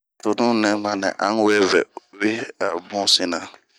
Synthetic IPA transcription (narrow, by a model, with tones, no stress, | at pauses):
to˨nũ˦nɛ̃˦mã˨nɛ̰̃˨ʔã˦ŋ˦wɛ˦vɛ̰˨o˨we˦a̰˨bɔ̃˦sĩ˦nã˨